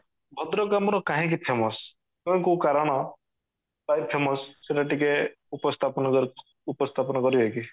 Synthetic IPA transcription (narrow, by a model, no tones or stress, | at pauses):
bʱɔd̪ɾɔkamɔɾɔkaɦĩkipʰemɔs | kɔ̃kukaɾɔɽ̃ɔ | pajpʰemɔsseʈaʈike | upɔst̪ʰapɔn | upɔst̪ʰapɔnɔkɔɾibɔki